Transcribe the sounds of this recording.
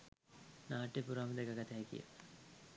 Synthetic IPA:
naːʈːepuɾaːməd̪əɡaɡat̪æːkḭjə̰

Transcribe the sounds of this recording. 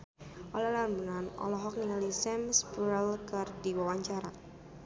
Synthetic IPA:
ʔɔlɔlambunanɔ̰lɔɦɔk̚niŋalisɛmsbuɾɛlkɨrdiwawaɲt͡ʃaɾa

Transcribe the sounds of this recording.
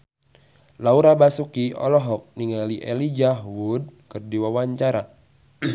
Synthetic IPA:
lauɾabasukiɔ̰lɔɦɔk̚niŋaliʔelid͡ʒaɦwud̚kɨrdiwawaɲt͡ʃaɾa

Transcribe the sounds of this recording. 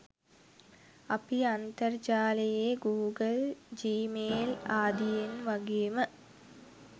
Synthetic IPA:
ɐpiɐnt̪ɐrd͡ʒaːlɐjeɡuːɡɐld͡ʑiːmeːlaːd̪ijinʋɐɡijmɨ

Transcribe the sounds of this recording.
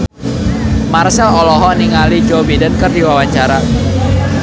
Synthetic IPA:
marsɛlɔlɔɦɔniŋalid͡ʒobidənkərdiwawaɲt͡ʃaɾa

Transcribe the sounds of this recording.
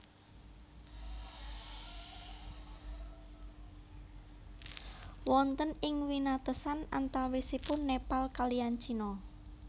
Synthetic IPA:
wɔnt̪ənɪŋwinat̪əsana̰nt̪awisipʊnːepalkaliant͡ʃinɔ

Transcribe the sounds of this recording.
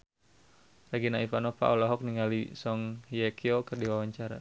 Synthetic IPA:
raɡinaifanɔpa̰ʔɔlaɦɔk̚niŋalisɔŋhijɛkʰiɔkərdiwawaɲt͡ʃaɾa̰

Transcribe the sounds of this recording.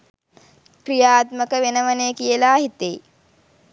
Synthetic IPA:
krijaːt̪məkəʋenəʋənekijəlaːɦit̪ej

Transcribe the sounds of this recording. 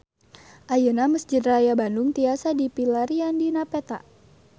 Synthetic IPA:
ʔajənaməsd͡ʒɪt̪̚rajabandʊŋt̪iasadipilaɾiandinapet̪a̰

